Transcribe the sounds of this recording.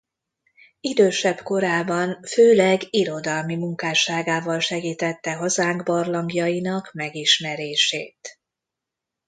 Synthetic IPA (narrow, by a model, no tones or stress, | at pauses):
id̪øːʃɛb̥ko̞ɾaːbɒnføːlɛɡiɾo̞d̪ɒlmimuŋkaːʃaːɡaːvɒlʃɛɡiːt̪ɛt̪ːɛɦɒzaːŋɡbɒrlɒŋɡjɒjinɒkmɛɡiʃmɛɾeːʃeːt̪